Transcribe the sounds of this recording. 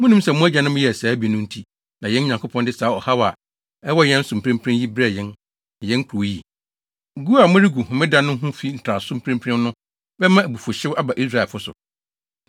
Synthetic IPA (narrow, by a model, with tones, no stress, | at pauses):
mʊ̃˦nũ˦m˦sɛ˨mʊ̃˦æ˦d͡ʑa˨nʊ̃˦mʊ̃˦jɛ˨æ˨saː˨˦bi˨nʊ̃˦n̩˦tʰi˦ | nã˨jɛ̃˦n̩˦ɲã˨ŋkʰo˦pʰɔ̃˦ndɪ˦saː˨˦ɔ˨ha˦wa˨ | ɛ˦wɔ˦jɛ̃˦n̩˦sʊ̃˨m˨pʰɾɪ̃˦mpʰɾɪ̃˦ji˦bɾɛ˨jɛ̃˦n˨ | jɛ̃˦n˦kʰɾu˨˦ji˦˨ | ɡu˦a˨mʊ̃˦ɾi˦ɡu˨hʊ̃˨mɪ̃˦dã˦nʊ̃˦ɦũ˦fi˦n̩˨tʰɾa˨sʊ̃˦mpʰɪ̃˦mpʰɾɪ̃˦m˦nʊ̃˦ | bɛ˦mã˦æ˨bu˨fo˨ɕɪ˦wa˦ba˨ʔi˦s̬ɾa˦˨lfʊ˦sʊ̰˨